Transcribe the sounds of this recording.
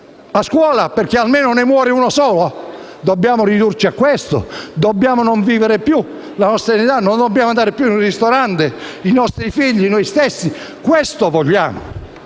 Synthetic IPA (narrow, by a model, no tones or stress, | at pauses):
askwɔːlaperkːealmeːnonemwɔːɾɪuːnosɔːlo | d̪obːjaːmorid̪urt͡ʃiakːwest̪o̰d̪ɔbːjaːmonoɱviːveɾepju | lanɔst̪ɾanit̪anːond̪ɔbːjaːmand̪aːɾepjununrist̪oɾant̪einɔst̪ɾifiʎːinɔjst̪esːikwest̪ovɔʎːaːmo̰